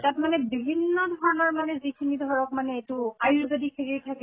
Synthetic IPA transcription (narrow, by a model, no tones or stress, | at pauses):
tatmanɛbibʱinːɔdʱɔɹɔnɔɹmanɛzikʰinidʱɔɹɔk̚manɛetuajuzodikʰekijtʰakɛ